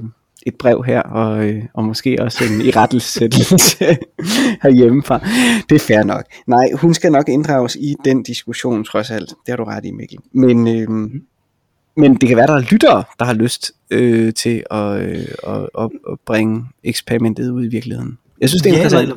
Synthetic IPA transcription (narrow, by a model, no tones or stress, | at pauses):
e̝d̥̚b̥ʁɛʊ̰ɦæɐ̰ɒ̽øɒ̽mɔ̽sɡ̥e̝̰ːɒ̽se̝niʁad̥l̩sed̥l̩sə | hæɐjeməfʁɑ̈d̥e̝æɐfæɐnɒ̽ɡ̥̚nɑ̈ɪ̰hunsɡ̥ænɒ̽ɡ̥e̝nd̥ʁɑ̈ʊsid̥end̥isɡ̥uɕo̝̰ːnt͡sʰʁɒ̽sæl̰d̥d̥e̝hɑ̈ɾ̥uʁɑd̥imeɡ̥l̩menø | mend̥e̝kʰæʋæːɐɾ̥dɑ̈æɐlyd̥ɐːd̥ɑ̈hɑ̈løsd̥ | øt͡sʰe̝lɒ̽øɒ̽ɒb̥ʁɛŋəeɡ̥spʰeʁimendʰe̝ð̩ˠuð̰ˠiʋiɐɡ̥lihe̝ð̰ˠn̩jɑ̈synsd̥e̝end̥ʁɐsæn̰d̥